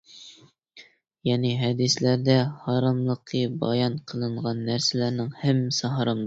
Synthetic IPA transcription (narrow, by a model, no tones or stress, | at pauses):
jɑniɦæd̪ɪslæɾd̪æhɑɾɑmlˠɤqʰːɤbɑ̰jɑɴqʰəlˠɤɴʁɑnːæɾsɪlæɾnɪŋhæmːɪsɑɦɑɾɑmˠ